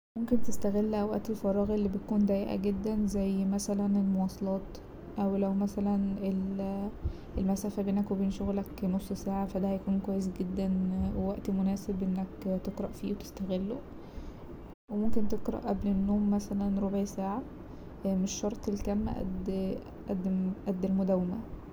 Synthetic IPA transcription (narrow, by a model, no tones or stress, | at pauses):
momkent̪est̪æɣelːʔæwwæ̰ʔt̪elfɑɾˤɑːɣelːiːbet̪̚kuːnd̪æjeʔæ̰ɡed̪ːænzæjːmæsælænelmowɑːsˤɑlɑːt̪ | ʔæwlæwmæsælænel | ʔelmæsæːfæbeːnækwebeːnʃoɣlæknosˤːsaːʕafæd̪æhæjækuːnkwæjːes̬ɡed̪ːænwewæʔt̪imonæːsebʔenːækt̪eqɾˤɑʔfiːwet̪e̥st̪æɣelːo | wemomkent̪eqɾˤɑ̰ʔæblenːoːmːæsælænɾobʕisaːʕa | meʃːɑɾˤt̪ˤelkæmːæ̰ʔæ̰d̪ | ʔæd̪ːʔæd̪ːelmod̪æwːemæ̰